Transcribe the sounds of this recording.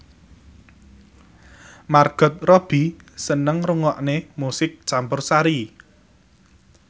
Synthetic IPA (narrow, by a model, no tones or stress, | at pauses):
marɡ̥ɔ̤t̪̚rɔb̥i̤sənəŋruŋɔʔnemusɪk̚t͡ʃampʊrsaɾi